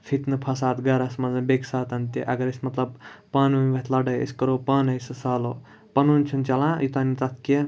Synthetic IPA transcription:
fʰit̪nɨpʰɐsaːt̪ɡɐɾɐsmɐnzɐbeksaːt̪ɐnt̪iʔɐ̰ɡɐɾismɐt̪lɐbpaːnɐmʲʋɐt̪ʰlɐɖɐjḭskɐɾoːpaːnɐjsɨsaːloː | pɐnuːnʲt͡ʃʰunt͡ʃɐlãːjut̪ɐnit̪ɐt̪ʰke

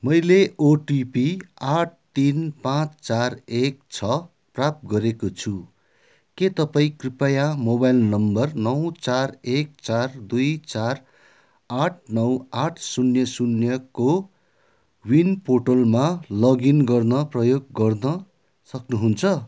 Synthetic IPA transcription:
mʌjleoʈipiaʈ̚ʰt̪inpãt͡st͡sarekt͡sʰʌ | prap̚t̪̚ɡʌɾekot͡sʰu | ket̪ʌpaĩkripajamobajlnʌmbʌrnʌwt͡sarek̚t͡sard̪ujt͡sar | aʈʰnʌwaʈʰsunjʌsunjʌko | winpoʈolmalʌɡinɡʌrnʌprʌjoɡːʌrnʌ | sʌknuɦunt͡sʰʌ

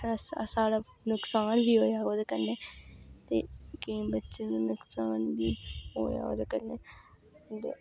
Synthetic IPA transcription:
saːɽaː | nʊksaːnbʱiːɦoːjaːoːd̪eːkəɾneːt̪eːkeĩbətːʃeːnaːnʊksaːnbʱiːɦoːja̰ːo̰ːd̪ekəɾneː | t̪ḛː

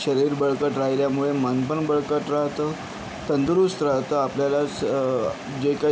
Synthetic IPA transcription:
ɕəɾiːɾbəɭkəʈɾaɦiljamuɭemənpəɳbəɭkəʈɾaɦt̪əː | t̪ənd̪ɾust̪ɾaɦt̪əapljala | d͡ʑeka

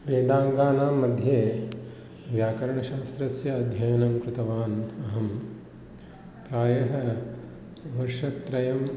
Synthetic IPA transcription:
ʋeːd̪aːŋɡaːnaːmːɐd̪ʱjeː | ʋjaːkɐɾɐɳɐʃaːst̪ɾɐsjɐːd̪ʱjɐjɐnɐmkɾɪt̪ɐʋaːnɐɦɐm | pɾaːjɐɦɐ | ʋɐɾʃɐt̪ːɾɐjɐm

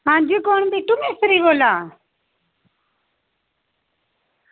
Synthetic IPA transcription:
ɦãːd͡ʒiːkoːɳbiːʈʊmeːsəɾiːɡoːlaː

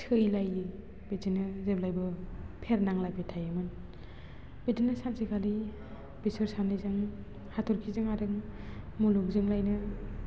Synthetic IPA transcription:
tʰɯjlajɯ | bedinɯzeblajbɯpʰeɾnaŋlajbʰetʰajɯmɯn | b̥edinːɯsansikʰali | bisɯɾsanijzɯŋ | hatʰɔɾkʰizɯŋaɾɯŋmuluk̚zɯŋlajnɯ

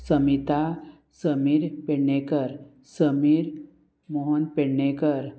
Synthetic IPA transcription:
səmit̪a | səmiɾpeɳekəɾ | səmiɾ | moɦonpeɽnekəɾ

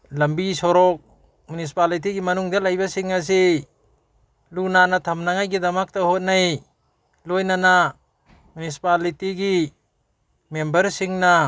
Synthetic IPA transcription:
lɐmbisɔɾɔk̚ | munis̬i̥palit̬iɡimɐnuŋdalajbasiŋas̬i | lunanatʰamnaŋajɡidamak̚tahot̚naj | lojnana | mjunisi̥palitiɡi | membɐɾsiŋna

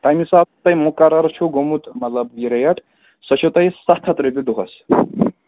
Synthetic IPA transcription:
t̪ajmisat̪ːɐjmukaɾɐɾt͡ʃʰuɡomut̪mɐt̪lɐbjiɾɐjɐʈʰ | sɐt͡ʃʰut̪ɐjsat̪ʰɐt̪ɾebid̪uɦɐs

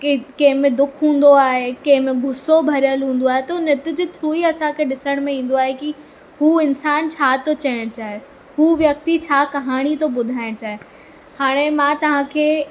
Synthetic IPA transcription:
kikɐ̃ɦɪ̃mẽd̪ʊkʰɦũːn̆d̪oaːɦekɐ̃ɦɪ̃mẽɡʱʊsobʱɐɾjəlɦũːn̆d̪oaːɦet̪onɪt̪ɪ̆d͡ʑɪt̪ʰɾuːiɐsãkʰeɗɪsəɽ̃mẽĩːn̆d̪oaːɦeki | ɦuːɪnsaːnt͡ɕʰaːt̪ot͡ɕɐjəɽ̃t͡ɕaːɦe | ɦuːʋjɐk̚t̪it͡ɕʰaːkɐɦaːɽ̃it̪oɓʊd̪ʱaːɪɽ̃t͡ɕaːɦe | haːɽ̃emãːt̪ɐʋ̤ãkʰeː

